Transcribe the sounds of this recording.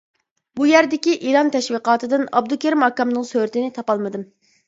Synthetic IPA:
bujæɾd̪ɪkʲiʔiɾɑnt̪ʰɛʃwiqɑːt̪ʰɨd̪ɨnɑ̰b̚d̪ukʲeɾmɑkːɑmnɨŋsøɾɪt̪ɪnɪt̪ʰɑpɑlˠmɨd̪ɨm

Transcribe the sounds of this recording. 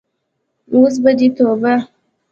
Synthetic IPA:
us̬bədit̪obə

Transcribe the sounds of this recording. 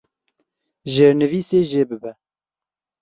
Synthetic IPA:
ʒeɾnɨviːseːʒeːbɨbɛ

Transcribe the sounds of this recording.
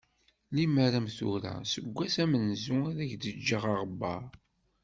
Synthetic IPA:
liməɾæmθuɾæ̰səɡʷːæsæmənzuaɾæʝd̪əd͡ʒːəʁɑʁəbɑɾ

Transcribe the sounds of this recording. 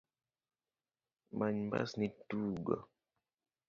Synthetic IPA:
maɲmba̰snituːɡa̰

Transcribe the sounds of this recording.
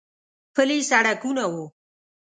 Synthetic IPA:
pəlisaɽakunawo

